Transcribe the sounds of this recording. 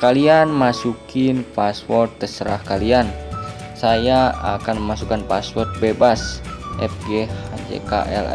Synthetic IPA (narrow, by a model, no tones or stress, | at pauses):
kalianmasukɪnpaswɔrt̪ːəsəɾahkalian | sajaa̰kanməmasukanpaswɔrt̪̚bebasʔɛ̰p̚ɡead͡ʒḛka̰ʔɛ̰l̰